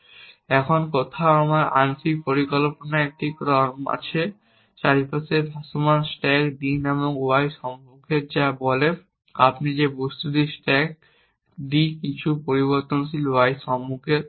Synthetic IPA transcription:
ɛkʰonkot̪ʰaoamaɾa̰nsik̚poɾikolponaɛk̚ʈikɾɔɾma̰t͡ɕʰe | ʃaɾipaseɾbʱasomansʈɛkd̪ineboŋuajʃɔmːukʰeɾd͡ʑabɔle | apnid͡ʑebost̪ud̪iɾsʈɛk̚ | ɖ̪ikit͡ɕʰupoɾiβoɾt̪onsiluajʃɔmːukʰeɾ

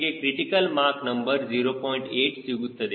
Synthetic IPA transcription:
ɡekɾiʈikəlmaɾknəmbəɾziɾopɔiɳʈeʈsiɡut̪ʰːəd̪e

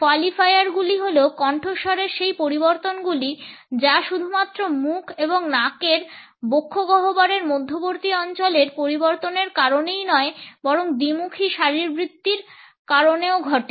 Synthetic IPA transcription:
koalifʰajaɾɡuliɦoleokɔɳʈʰoʃɔɾeɾʃejpoɾiboɾt̪onɡulid͡ʑaʃud̪ʱumat̪ːɾomukʰeboŋnakeɾ | bokʰːoɡɔɦobaɾeɾmod̪ʱːoboɾt̪iɔnt͡ɕoleɾpoɾiboɾt̪oneɾkaɾonejnɔebɔɾoŋd̪imukʰiʃaɾiɾbɾit̪ːiɾ | kaɾoneoɡʱɔʈe

